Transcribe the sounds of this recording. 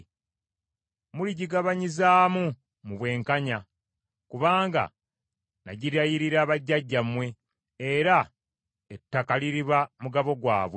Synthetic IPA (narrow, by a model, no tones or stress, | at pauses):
muliɟiɡaβaɲizaːmu | muβwe̞ːŋkaɲa | kuβaːŋɡa̰ | naɟiɾajiɾiɾaːβaɟːaɟːamwe̞ | eɾa | etːakaliɾiβamuɡaβo̞ɡwa̰ːβwe